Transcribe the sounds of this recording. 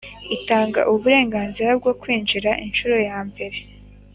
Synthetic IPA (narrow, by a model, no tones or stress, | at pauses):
itaːŋɡa̰ʔuβuɾe̞ːŋɡaːnziɾab̚ɡo̞kwiːnd͡ʒiɾaʔinʃuɾo̞jaːmbe̞ɾe̞